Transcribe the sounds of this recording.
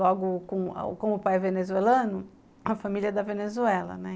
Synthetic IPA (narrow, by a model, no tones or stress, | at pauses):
lɔɡʊkõ̰kõʊpajvenezuelɐ̃nʊ | ɐfamiliɐd̪ɐvenezuɛlɐ̰nɛ